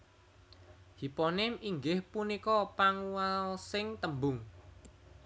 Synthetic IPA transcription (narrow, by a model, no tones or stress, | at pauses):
hipɔnɪmiŋɡɪhpunikɔpaŋuwalsɪŋt̪əmbʊŋ